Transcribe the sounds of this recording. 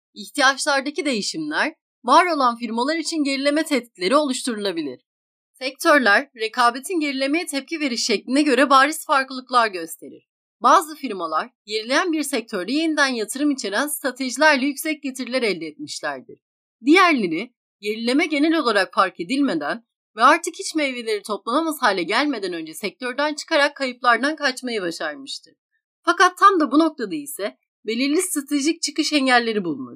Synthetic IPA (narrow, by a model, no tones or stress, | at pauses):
içt̪ijat͡ʃlˠaɾd̪acid̪e̞jiʃimlʲæɾ | vaːɾo̞lˠanfiɾmalˠaɾit͡ʃʰinɟe̞ɾilʲe̞mɛt̪ʰɛt̪̚cʰilʲe̞ɾio̞lˠuʃt̪ʰuɾulˠabilʲḭɾ̥ | sɛc̚t̪ʰøɾlʲæɾːe̞kʰaːbe̞t̪ʰinɟe̞ɾilʲe̞me̞jɛt̪ʰɛp̚cʰive̞ɾiʃːɛclʲinɛɟø̞ɾɛbaːɾisfaɾklˠɯklˠaɾɟø̞st̪ʰe̞ɾḭɾ̥ | baːzɯfiɾmalˠaɾje̞ɾilʲe̞jænbiɾsɛc̚t̪ʰøɾd̪ɛjenid̪ænjat̪ʰɯɾɯmit͡ʃʰe̞ɾænst̪ɾat̪ʰe̞ʒilʲæɾlʲɛjycʲsɛc̚ɟe̞t̪ʰiɾlʲɛɾɛlʲd̪ɛːt̪miʃlʲæ̰ɾd̪iɾ̥ | d̪ijæɾlʲe̞ɾi | jeɾilʲe̞mɛɟe̞nɛlʲo̞lˠaɾakfaɾkʰe̞d̪ilʲme̞d̪æn | vɛaɾt̪ʰɯkʰit͡ʃmɛvelʲe̞ɾit̪ʰo̞plˠanamashaːlʲɛɟælʲme̞d̪ænø̞nd͡ʒɛsɛc̚t̪ʰø̞ɾd̪ænt͡ʃʰɯ̥kʰaɾakʰːajɯplˠaɾd̪ankʰat͡ʃmajabaʃaɾmɯʃt̪ʰɯɾ̥ | fakat̪ʰːamd̪abuno̞k̚t̪ʰad̪ailʲsɛ | be̞lʲiɾlʲist̪ɾat̪ʰe̞ʒic̚t͡ʃʰɯkɯʃɛɲɟælʲːe̞ɾibulˠmu